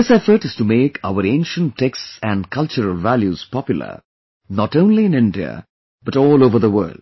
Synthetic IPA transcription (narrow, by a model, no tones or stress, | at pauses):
ðɪsɛfəɾʈɨstumeːkʰa̰ʊəɾẽɪ̃nʃə̃nʰːeksæ̃nɖkʰʌlt͡ʃəɾəlʋæljuz̥pɑpjʊl̩ə̰ | nɔʈõʊ̃nliɪ̃nɪ̃nɖiə̰ | bʌʈɔːloːvəɾðəwə̰ːlɖ̚